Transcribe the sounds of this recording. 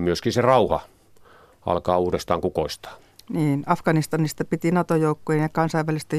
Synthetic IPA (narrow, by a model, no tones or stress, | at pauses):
myøskinserɑuhɑ | ɑ̰lkɑːuːrest̪ɑːŋkukoist̪ɑ̥ː | niːnɑfkɑnist̪ɑnist̪ɑpit̪inɑt̪ojoˑukːoienjɑkɑnsɑˑiʋʋælist̪æ